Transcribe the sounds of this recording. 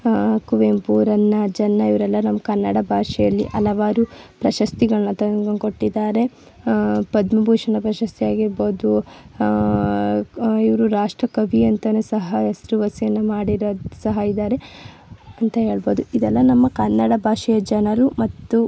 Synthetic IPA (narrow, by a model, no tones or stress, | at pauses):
kuʋempuːɾɐnːɐd͡ʒɐnːɐiʋɐɾɛlːɐnɐmːɐkɐnːɐɽɐbʱaːʂɛjɐlːḭʔɐlɐʋaːɾupɾɐʃɐst̪iɡɐɭɐnːɐt̪ɐɡɐŋkoʈːid̪ːaːɾe̞ | pɐd̪mɐbʱuːʂɐnɐpɾɐʃɐst̪ijaːɡiɾboːd̪u | iʋɐɾuɾaːʂʈɾɐkɐbʱiɐnt̪ɐnesɐɦɐesɾuʋɐsijɐnːɐmaːɽiɾɐsɐɦɐid̪ːaːɾe̞ | ɐnt̪ɐɦe̞ːɭboːd̪uid̪ɛlːɐnɐmːɐkɐnːɐɽɐbʱaːʂɛjɐd͡ʒɐnɐɾumɐt̪ːu